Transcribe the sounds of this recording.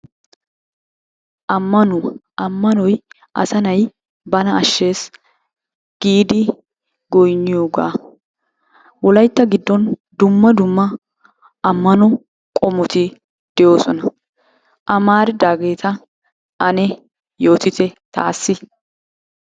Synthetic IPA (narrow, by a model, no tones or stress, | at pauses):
ʔɐmːɐnʊʔɐmːɐnɔj | ʔɐ̰sɐnɐj | bɐnɐɐʃːe̞ːs | ɡ̥iːd̪ɪ | ɡɔjnːɪjo̞ːɡa̰ː | wɔlɐjt̪ːɐɡɪd̪ːɔnd̪ʊmːɐd̪ʊmːɐ | ɐmːɐnɔ | kʼɔmʊt̪ɪ | d̪̥ɛjo̞ːsɔnɐ | ʔɐmaːɾɪd̪aːɡe̞ːt̪ɐ | ʔɐnɛ | jo̞ːt̪ɪt̪ɛt̪a̰ːsːɪ